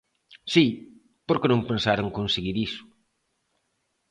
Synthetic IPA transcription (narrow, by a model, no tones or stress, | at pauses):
si | poɾkenõŋpensaɾoŋkonseɣiɾisʊ̥